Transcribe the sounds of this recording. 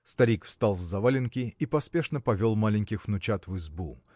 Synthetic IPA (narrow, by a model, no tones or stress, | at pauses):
st̪ɐɾʲikfst̪alˠzzɐvalʲɪnkʲɪipɐspʲe̞ʂnəpɐvʲolˠmalʲɪnʲkʲɪxvnʊt͡ɕat̪vɨzbṵ